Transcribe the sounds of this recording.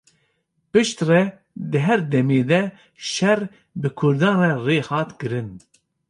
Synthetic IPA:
pɨʃt̪rɛ | d̪ɨɦɛɾd̪ɛmeːd̪ɛ | ʃɛr | bɨkʰʊɾd̪ɑːrɛreːhɑːt̪kɨɾɨn

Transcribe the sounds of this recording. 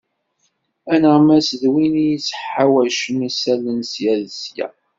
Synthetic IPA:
ænəʁmæsðwinijit͡sːħawæʃəmisælənsjæðsjæ̰

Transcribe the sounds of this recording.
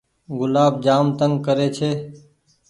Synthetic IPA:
ɡʊlaːb̚d͡ʒaːmt̪əŋɡkəɾeːt͡ʃʰeː

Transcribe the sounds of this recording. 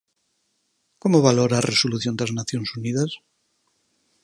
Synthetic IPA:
komoβaloɾaːrʔesoluθjond̪aznaθjonsuniðas

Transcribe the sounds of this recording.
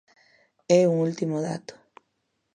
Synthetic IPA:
euŋult̪imoða̰t̪o̥

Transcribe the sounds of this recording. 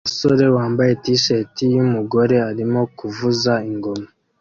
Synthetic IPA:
uso̞ɾe̞waːmbaje̞tiʃe̞tijumuɡo̞ɾe̞aɾimo̞kuvuzaiŋɡo̞ma

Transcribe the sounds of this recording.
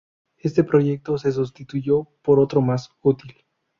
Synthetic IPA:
e̞st̪e̞pɾo̞ʝe̞k̚t̪o̞se̞s̬ust̪it̪uʝo̞po̞ɾo̞t̪ɾo̞masut̪il

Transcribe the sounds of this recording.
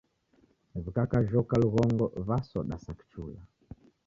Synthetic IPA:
vikakaʒɔkaluɣɔŋɡɔβasɔɗa̰saki̥t͡ʃula̰

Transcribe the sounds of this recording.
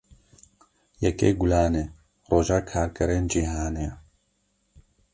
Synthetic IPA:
jɛkḛɡʊlaːneː | roːʒaːkʰaːɾkɛɾeːnd͡ʒiːɦaːne

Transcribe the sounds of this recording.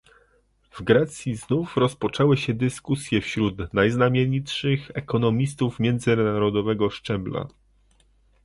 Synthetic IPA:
vɡɾɛt̪sʲjiznufɾɔspɔt͡ʂɛwɘɕɛd̪ɘskusʲjɛfɕɾut̪najznamʲjeɲitʂɘxɛkɔnɔmʲist̪ufmʲjɛnd̪zɘnaɾɔd̪ɔvɛɡɔʂt͡ʂɛbla̰

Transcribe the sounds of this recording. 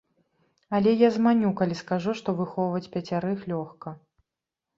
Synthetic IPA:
ɐlʲɛjazmanʲukalʲiskaʐuʂt̪ɔvɨxɔvɐt͡sʲpʲɐt͡sʲaɾɨxlʲɔxkɐ

